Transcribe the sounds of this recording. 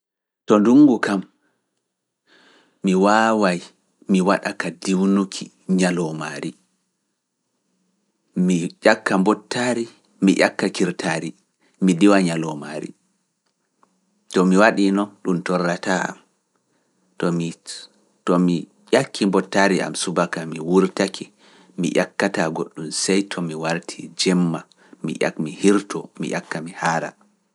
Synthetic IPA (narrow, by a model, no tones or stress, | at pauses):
tɔnduŋɡukam | iwaːwaj | miwaɗakadiwnukʰi | ɲalɔmaːɾi | miʄakːambɔtːaɾi | mḭʔa̰kːakiɾtʰaːɾi | midiwaɲalɔma̰ɾḭ | tɔmiwaɗinɔnɗumtɔrːataa̰m | tɔmi | tɔmi | jakʰːimbɔtːaɾiʔa̰msubakamiwuɾtakʰi | mḭʔa̰kːataɡoɗːumsɛjtʰɔmiwaɾtʰid͡ʒɛmːa | mḭʔa̰kmihiɾtɔmḭʔa̰kːamihaːɾa̰